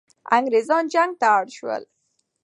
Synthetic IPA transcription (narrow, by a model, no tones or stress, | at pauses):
a̰ŋɡɾezɑnd͡ʒaŋɡ̚t̪aːɽʃwə̰l